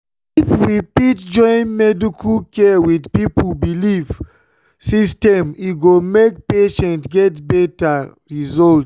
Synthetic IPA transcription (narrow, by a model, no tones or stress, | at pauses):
ifwipitd͡ʒɔ̃ɪ̃nmɛdikʰulkɛwidpipubiliv | sistɛ̃miɡomek̚peʃɛ̃ntɡɛtbɛtaɹizɔlt